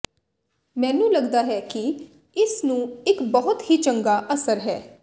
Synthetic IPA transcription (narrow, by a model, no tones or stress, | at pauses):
mɛ̃ːnũːləɡd̪aːɦɛːkɪ | ɪsnũːɪkbəɦʊt̪hiːt͡ʃəŋɡaːʔəsəɾɦɛː